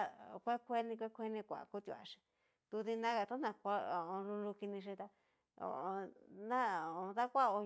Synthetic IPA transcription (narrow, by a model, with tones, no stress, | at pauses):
a˦˧kʷe˦kʷe˦nĩ˧kʷe˦kʷe˦nĩ˧kʷa̰˨ku˦t̪jṵ˧˨a̰˨ʂĩ̥˧ | t̪u˧ði˧nã˦ɣa˧t̪u˦nã˧kʷa˧˦o˨õ˧lu˧lu˧ki˧nĩ˧ʃ̬ĩ˧t̪a˧ | o̰˧˨õ˧nã˦˨o˧ða˦kʷa˦o˧